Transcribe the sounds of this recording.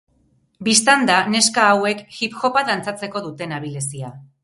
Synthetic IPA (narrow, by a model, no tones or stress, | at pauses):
bist̪and̪ane̞skaːwe̞kxipxo̞pad̪ant͡sat͡se̞ko̞ðut̪e̞naβilesia